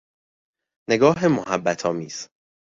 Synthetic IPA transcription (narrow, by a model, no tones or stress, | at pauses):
ne̞ɡɒːɦemoɦæbːæt̪ʰɒːmiːz̥